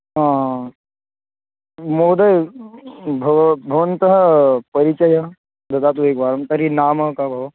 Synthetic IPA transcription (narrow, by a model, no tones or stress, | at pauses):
ɦã | mod̪əj | bʱɐʋbʱəʋənt̪əɦəpɐɾit͡ɕəja | d̪ɐd̪at̪̬uekʋaɾɐmt̪ɐɾinaːməkabʱɐʋ